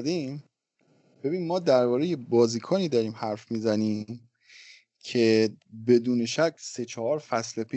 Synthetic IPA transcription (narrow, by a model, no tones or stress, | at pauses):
d̪im | b̥e̞biːnmːɒːd̪æɾbɒːɾejebɒːziːkʰɒːniːd̪ɒːɾiːmhæɾfmiːzæniːm | cʰe̞be̞d̪uːne̞ʃæcʰse̞t͡ʃʰɒhɒːɾfæslepʰi